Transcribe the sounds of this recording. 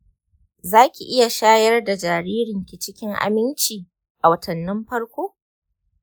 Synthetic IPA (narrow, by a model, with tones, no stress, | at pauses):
zaː˦kʲi˨ʔɪ˦ja˨ʃaː˦jɐ˦rda˨d͡ʒaː˨ɾiː˦ɾɪ˨ŋkʲi˨t͡ʃɪ˦kʲɪ˦ŋʔa̰˨mɪ˦nt͡ʃiː˨ | ʔa˨wɐ˦tʰɐ˨nːɪ˦mɸɐ˦ɽkʷoː˦